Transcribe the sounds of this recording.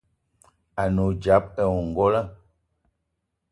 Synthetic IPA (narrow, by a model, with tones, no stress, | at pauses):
a˨no˨d͡ʒa˨˦p̚ɛ˨wu˨ŋ̩˨ɡɔ˦la˦